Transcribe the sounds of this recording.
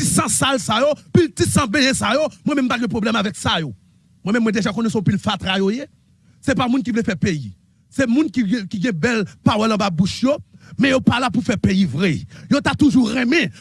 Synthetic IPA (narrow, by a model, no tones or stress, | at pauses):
tisãsalsajopiltisãbejɛsajomwɛ̃mɛ̃mpaɡɛ̃pʁoblɛmavɛksajo | mwɛ̃mɛ̃mːwɛ̃d̪eʒakõnɛ̃sɔ̃pilfat̪ajoje | sɛpamũnkivulefɛpejḭ | sɛmũnkikiɡɛ̃bɛlpawɛlɐ̃babuʃjomɛ̃jopalapufɛpejivʁɛjot̪at̪uʒuʁɛ̃mɛ̃